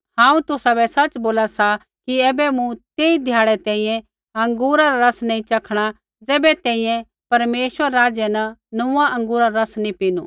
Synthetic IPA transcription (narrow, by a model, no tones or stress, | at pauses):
hãːũt̪ʊsabɛsɐt͡ʃboːlasa | kiɛːbɛmũt̪eːid̪ʱjaːɽɛt̪ɛ̃ːĩːjɛ̃ | ɐ̃ŋɡuːɾaɾaɾɐsnɐ̃ĩt͡ʃɐkʰɽ̃a | d͡zɛːbɛt̪ɛ̃ːĩjɛ̃ | pɐɾmeːʃʋəɾːaːd͡ʒjɛnɐnʊaʔɐ̃ŋɡuːɾaɾɾɐsnĩpiːnṵː